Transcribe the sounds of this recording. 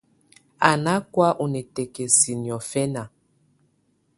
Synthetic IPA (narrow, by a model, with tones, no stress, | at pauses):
a˨na˦kwa˦ʔu˨nɛ˨tɛ˨ke˨si˨n˨ɔ˨fɛ˦na˨